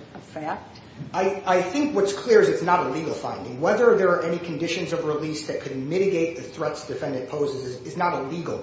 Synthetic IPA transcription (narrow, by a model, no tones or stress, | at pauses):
əfæk̚t | aɪaɪθɪ̃ŋkwʌtskʰl̥ɪɹɨzɨtsnəɾəliɡl̩ˠfã̰ɪ̃ndɪ̃ŋwɛðə˞ðə˞ːʔɛnikʰɨ̃ndɪʃɨ̃nzʌvɹɪlisðɨt̚kʰɨd̚mɪɾɨɡeɪt̪̚ðɨθɹɛtsd̥ɨfɛ̃ndɨ̃d̚pʰoʊzɨzɨzɨznəɾəliɡl̩ˠ